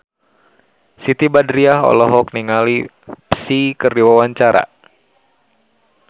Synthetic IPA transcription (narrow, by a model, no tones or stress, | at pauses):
sit̪ibadɾiaɦɔ̰lɔɦɔk̚niŋali | psikərdiwawaɲt͡ʃaɾa̰